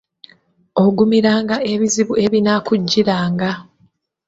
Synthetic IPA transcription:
oɡumiɾaːŋɡae̞βiziβue̞βinakuɟːiɾaːŋɡa

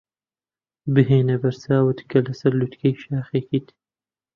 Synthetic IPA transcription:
bɨɦeːnɐbɐɾsaːwɨt̪kʰɐlɐsɐɾlut̪kʰɐjʃaːxekiːt̪

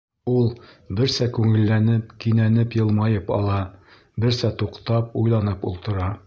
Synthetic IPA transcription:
ulˠ | bɘ̆ɾsækʉŋɘ̆lːænɘp̚kinænɘpjɤ̆lˠmɑjɤpɒ̰lˠɑ | bɘ̆ɾsæt̪uqt̪ɑp̚ujlˠɑnɤpṵlˠt̪ɤ̆ɾɑ

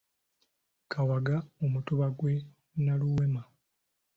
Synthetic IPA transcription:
kawaɡaomutuβaɡwe̞ | naluwema

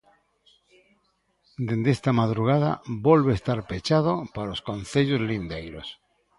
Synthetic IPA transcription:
d̪end̪est̪amaðɾuɣ̞að̞a̰bolβest̪aɾpet͡ʃað̞opaɾoskõnθeʎozlind̪ejɾos

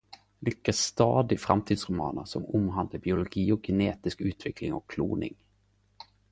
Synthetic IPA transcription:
lʏkːast̪ɑːd̪ɪfɾa̰mt̪ʰiːd̪sɾɵmɑ̰ːnəsɔmʊmːɦand̪əbɪʊlʊɡiːɔk̚ɡɛneːt̪ɪskʉ̟ːt̪vɛkʰlɪŋɔ̰kʰːlṵːnɪ̰ŋ

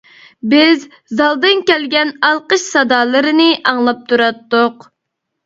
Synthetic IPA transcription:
bɪz | zɑlˠd̪ɨnkʲɛlɡʲɛnɑlˠqəʃsɑd̪ɑːlˠɨɾɨnɨʔɑŋlˠɑp̚t̪ʰuɾɑt̪ːʊq

